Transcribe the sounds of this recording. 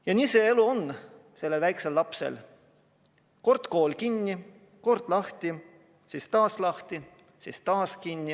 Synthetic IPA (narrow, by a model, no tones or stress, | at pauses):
jɑniːse̞e̞luo̞nse̞lːe̞lvæjkse̞lːɑpsḛl | ko̞rt̪ko̞ːlkinʲːi | ko̞rd̪̥lɑht̪i | sist̪ɑːslɑht̪i | sist̪ɑːskinʲːi